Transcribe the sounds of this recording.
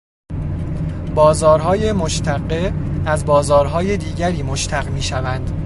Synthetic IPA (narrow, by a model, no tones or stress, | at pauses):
bɒːzɒːɾɦɒːjemoʃt̪ʰæɢːeæzbɒːzɒːɾɦɒːjed̪iːɟæɾiːmoʃt̪ʰæɣmiːʃævænd̪̥